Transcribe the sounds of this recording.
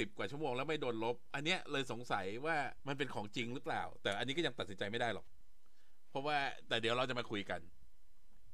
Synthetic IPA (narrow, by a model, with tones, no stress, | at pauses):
i˨˩p̚kwaː˨˩t͡ɕʰu˥˩moː˧ŋlɛː˦˥wma˥˩jdoː˧nlo˦˥p̚ʔa˧nːi˦˥ɐʔlɤː˧jso˩˦ŋsa˩˦jwaː˥˩ma˧np̬e˧nkʰɔː˩˦ŋt͡ɕi˧ŋɾɯ˦˥pla̰ː˨˩wt̪ɛː˨˩ʔa˧nːi˦˥kɔ˥˩ja˧ŋt̪a˨˩si˦nt͡ɕa˧jma˥˩jdaː˥˩jlɔ˨˩k̚ | pʰɔ˦˥waː˥˩t̪ɛː˨˩di˨˩˦ɾa˧wt͡ɕa˨˩ma˧kʰu˧jka˧n